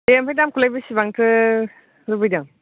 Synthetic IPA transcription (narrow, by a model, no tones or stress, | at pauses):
ejempʰajdamkʰulajbɯsibaŋtʰɯ | ɾubɯjdaŋ